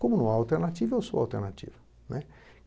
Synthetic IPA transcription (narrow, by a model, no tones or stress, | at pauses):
kõmʊnɐ̃w̃aawt̪eɾnat͡ʃivɐewsoa̰wt̪eɾnat͡ʃḭvɐ | nʔɛ